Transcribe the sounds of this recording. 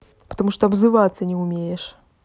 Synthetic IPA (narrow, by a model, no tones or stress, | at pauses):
pɐ̥t̪amuʂt̪ɔɐbzɨvat̪sːɐnʲɛumʲejɛʂ